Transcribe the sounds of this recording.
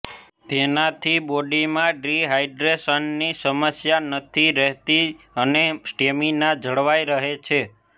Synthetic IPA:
t̪enat̪ʰiboɖimãɖɾiɦajɖɾeʃənːisəməsjanət̪ʰiɾəɦt̪i | ənesʈeminad͡ʒʱəɭʋaiɾəɦet͡ʃʰe

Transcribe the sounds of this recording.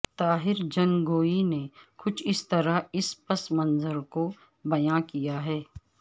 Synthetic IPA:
t̪aːɦɪɾd͡ʒɐ̃ŋɡoːinekʊt͡ʃʰɪst̪ɐɾaɪspɐsmɐ̃nzəɾko | bɐjãkijaɦɛː

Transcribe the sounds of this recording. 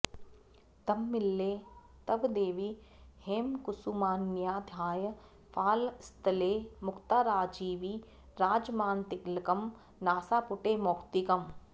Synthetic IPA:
t̪ɐmːɪlːeː | t̪ɐbd̪eːʋiheːmkʊsumaːnjaːd̪ʱjaːjə | fʰaːlst̪əleːmʊkʰt̪aːɾaːd͡ʒiːʋiː | ɾaːd͡ʒmaːnt̪ɪkləkɐm | naːsaːpʊʈeːmoːkt̪ikɐm

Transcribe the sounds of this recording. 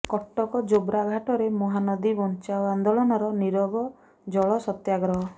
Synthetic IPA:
kɔʈːɔkɔd͡ʒobɾaɡʱaʈɔɾemɔɦanɔd̪ibɔnt͡ʃaband̪ɔɭɔnɔɾɔniɾɔbɔ | d͡ʒɔɭɔsɔt̪jaɡɾɔɦɔ

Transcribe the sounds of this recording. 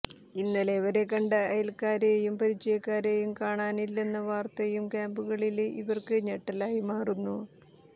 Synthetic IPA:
inːɐleʋɐɾe̞kɐɳɖɨɐjɐlkaːɾejumpɐɾit͡ɕːejɐkːaːɾejumkaːɳaːnilːe̞nːɐʋaːrt̪ɐjumkaːmbuɣɐɭilḭʋɐrkɨɲɐʈːɐlaːjimaːrunːu

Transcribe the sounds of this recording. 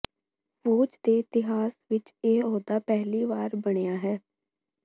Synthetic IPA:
ʋoːd͡ʒd̪eːɪt̪ɪɦaːsʋɪt͡ʃeːɦoːd̪aːpɛɦliːʋaːɾbəɽ̃ejaːɦɛː

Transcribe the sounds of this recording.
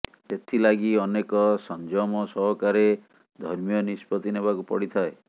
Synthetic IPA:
et̪ʰilaɡiɔnekɔsɔnd͡ʒɔmɔsɔɦɔkaɾe | d̪ʱɔɾmijɔnispɔt̪inebakupɔɽit̪ʰae

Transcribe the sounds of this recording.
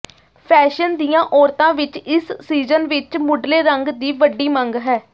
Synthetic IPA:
pʰɛːʃənd̪ijãːʔɔːɾt̪ãːʋɪt͡ʃɪsːiːzənʋɪt͡ʃmʊɖleːɾəŋɡd̪iːʋəɖːiːməŋɡɦɛː

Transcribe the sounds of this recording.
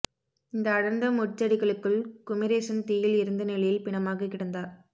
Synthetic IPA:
ɪnd̪ɐːɽɐɾnd̪ɐmʊʈt͡ʃːɐɽɪɣɐɭɯkːɯɭkʊmɪɾeːʂɐnt̪iːjɪlɪɾɯnd̪ɐnɪɭɐjɪlpɪɳɐmaːɣɐkːɪɽɐnd̪aːɾ

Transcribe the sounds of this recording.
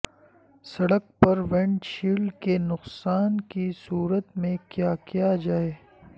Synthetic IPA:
sɐɽək̚pɐɾʋɛ̃ɳʈʃiːlkenʊqsaːnkisuːɾət̪mẽkjaːkijad͡ʒaːeː

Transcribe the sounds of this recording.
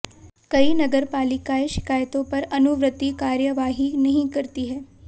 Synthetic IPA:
kəinəɡəɾpaːlɪkaeʃɪ̥kaːjt̪õpɐɾənuʋɾət̪ːikaːɾjəʋaɦinəɦĩkəɾt̪iɦɛː

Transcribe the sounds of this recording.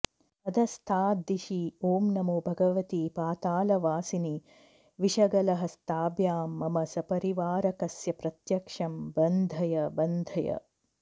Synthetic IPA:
ɐd̪ɐst̪ʰaːd̪iʃioːmnɐmoːbʱɐɡɐʋɐt̪ipaːt̪aːlɐʋaːsini | ʋiʃɐɡɐlɐɦɐst̪aːbjaːmːɐmɐsɐpɐɾiʋaːɾɐkɐsjɐpɾɐt̪jɐkʂɐmbɐnd̪ʱɐjɐbɐnd̪ʱɐjɐ̰

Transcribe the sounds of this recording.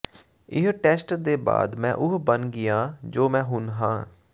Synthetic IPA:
ɪɦʈɛːsʈd̪eːba̰ːd̪mɛ̰̃ːʔʊɦbənɡɪjãːd͡ʒoːmɛ̃ːɦʊnɦã̰ː

